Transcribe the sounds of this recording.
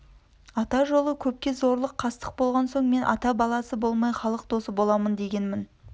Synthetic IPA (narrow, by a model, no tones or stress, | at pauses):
ɑt̪ɑʒo̞lˠəkʲʰɵp̚kʲe̞zo̞ɾlˠəqʰːɑst̪ə̥q̚bo̞lˠʁɑnso̞ɴme̞nʔɑ̰t̪ɑbɑlˠɑsəbo̞lˠmɑjχɑlˠəqd̪o̞səbo̞lˠɑmənd̪e̞ɡʲe̞nmɪn